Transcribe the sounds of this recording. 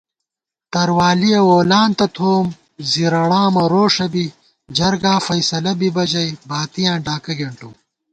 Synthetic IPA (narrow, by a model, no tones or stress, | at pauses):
t̪ɐɾwaːlijɐwoːlaːnt̪ɐt̪ʰoːm | ziɾɐɽaːmɐɾoːʂɐbi | d͡ʑɐɾɡaːfɐjsɐlɐbibɐd͡ʑɐjbaːt̪ijãːɖaːkɐɡɐɳʈuː